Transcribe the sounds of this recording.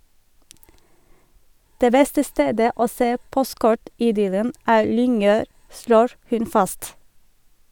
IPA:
ˈdeː ˈbɛstə ˈsteːdə ˈoː ˈseː ˈpɔstˌkɔʈɪˌdʏlən ˈæːɾ ˈlʏŋˌøːɾ ˈsloːɹ ˈhʉn ˈfɑst

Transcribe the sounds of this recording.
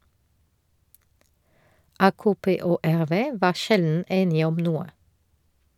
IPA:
ˈɑːkoːˌpeː ˈoː ˈæʁˌʋeː ˈʋɑː ˈʃɛln̩ ˈeːnɪ ˈɔm ˈnuːə

